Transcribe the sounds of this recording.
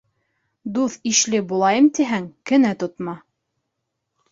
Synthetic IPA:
d̪uθiʃlɘbulˠɑjɤmt̪iɦæŋkɘ̆næt̪ŏt̪mɑ

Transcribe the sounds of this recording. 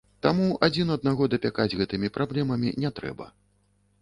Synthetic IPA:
t̪amuad͡zʲinɐd̪naɣɔd̪ɐpʲakad͡zʲɣɛt̪ɨmʲipɾʔablʲɛmɐmʲḭnʲɛt̪ɾɛ̰bɐ̰

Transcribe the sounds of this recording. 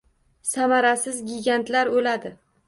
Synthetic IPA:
samaɾasɪzɡʲɪɡʲant̪laɾolad̪ɪ

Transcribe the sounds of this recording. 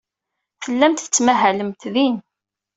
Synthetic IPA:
θəlːæmt̪θə̥t͡sːmæɦæləmt̪ðin

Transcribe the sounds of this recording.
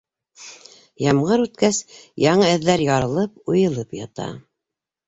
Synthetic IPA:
jɑmʁɤɾʉt̪kæsjɑɴɤɘ̆ðːæɾjɑɾɤ̆lˠɤp̚ujɤ̆lˠɤpjɑt̪ɑ̰

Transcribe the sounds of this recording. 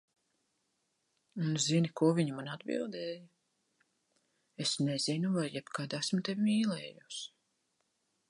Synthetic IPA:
unzinikuɔvʲiɲumanad̪bḭlˠd̪ɛːjɐ | esnɛzinuvajːɛbkaːd̪æsmt̪evimiːlɛːjus

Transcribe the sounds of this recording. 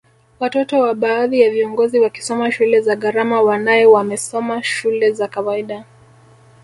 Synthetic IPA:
watɔtɔwaɓaːðijaviɔŋɡɔziwaki̥sɔmaʃulɛzaɠaɾamawanajɛwamɛsɔmaʃulɛzakawaiɗa

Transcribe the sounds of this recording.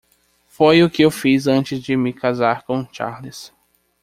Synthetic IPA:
fojʊkɪewfizɐ̃nt͡ʃɪzd͡ʒɪmɪkazaɾkõt͡ʃa̰ɾlɪs

